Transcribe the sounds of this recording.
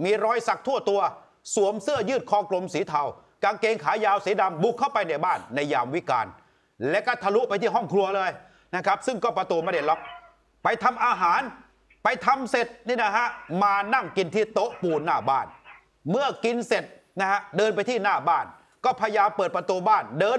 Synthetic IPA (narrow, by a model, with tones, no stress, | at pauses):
miː˧ɾɔː˧jsa˨˩k̚t̪ʰu˥˩ət̪u˧ɐ | su˨˩˦əmsɯ˥˩ɐjɯː˥˩t̪̚kʰɔː˧˩klo˧msiː˩˦t̪ʰa˧w | ka˧ŋkeː˧ŋkʰaː˩˦˥jaː˧wsiː˩˦da˧mbu˨˩kʰːa˥˩wpa˧jna˧˩jbaː˥˩nːa˧jːaː˧mwi˦˥ka̰ː˧n | lɛ˦˥ʔkɔ˥˩t̪ʰa˧lu˦˥ʔpa˧jt̪ʰiː˥˩ɦɔ˥˩ŋkʰlu˧ɐlɤː˧j | na˦˥kʰa˦˥p̚sɯ˥˩ŋkɔː˥˩pɾa˧t̪u˧ma˥˩a˧˩lɔ˦˥p̚ | pa˧jt̪ʰa˧mʔaː˧ɦaː˩˦n | pa˧jt̪ʰa˧mse˨˩t̪̚niː˥˩na˦˥ɦa˦˥ʔmaː˧na˥˩ŋki˧nt̪ʰiː˥˩t̪o˦˥ʔpuː˧nːaː˥˩baː˥˩n | mɯ˥˩ɐki˧nse˨˩t̪̚ | na˦˥ha˦˥ʔdɤː˧npa˧jt̪ʰiː˥˩naː˥˩baː˥˩n | kɔː˥˩pʰaː˧jaː˧mpɤː˨˩t̪̚pɾa˧t̪u˧baː˥˩ndɤː˧